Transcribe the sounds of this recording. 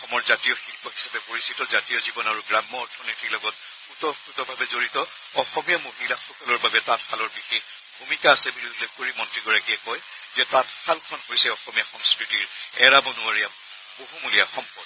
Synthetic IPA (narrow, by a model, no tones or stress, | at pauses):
ɔxɔmɔɹzatijɔxilpɔɦisapɛpoɹisitɔzatijɔzibɔnaɹuɡɹamːɔɔɹtʰɔnotʰiklɔɡɔt̚ | utɔutɔbʱabɛzoɹitɔ | ɔxɔmijamoɦilaxɔkɔlɔɹbabɛtatxalɔɹbixex | bʱumikaːsɛbiniulekkoɹimɔntɹiɡɔɹakiɛkɔj | zɛtatxalkʰɔnɦojsɛɔxɔmijaxɔmskɹitiɹɛɹabɔnʊaɹija | boɦumulijaxɔmpɔd